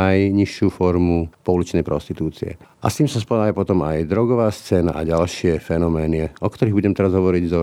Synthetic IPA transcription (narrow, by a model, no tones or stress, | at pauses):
ajɲiʃuːfɔɾmupɔulit͡ʃnɛjpɾɔ̰st̪it̪uːt͡sḭɛ̰ | ʔa̰st̪iːmsaspɔd̪aːjɛpɔt̪ɔmajd̪ɾɔɡɔʋaːst͡sɛːna̰ʔaɟalʃɪɛfɛnɔmɛːniɔkt̪ɔɾiːɦbuɟɛmt̪ɛɾazɦɔʋɔɾiɟzɔ